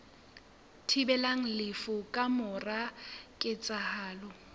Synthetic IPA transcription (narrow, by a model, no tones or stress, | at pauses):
tʰibɛlaŋ̩lɪfʊkʼamʊrakʼɪt͡sʼahaːlɔ